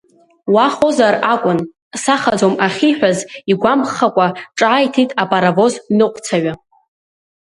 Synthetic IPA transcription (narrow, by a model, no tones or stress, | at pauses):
waχo̞zarakʷʼʊn | saχad͡zomaχʲiħʷᶣaziɡʷamχakʷʼaʈ͡ʂʼaːjtʰitʼapʼaɾavo̞znɨqʷʼt͡sʰaɥa